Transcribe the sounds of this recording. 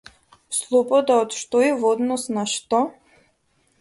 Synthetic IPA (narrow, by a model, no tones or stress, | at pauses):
slˠɔbɔd̪aɔt̪ʃt̪ɔivɔd̪nɔsnaʃt̪ɔ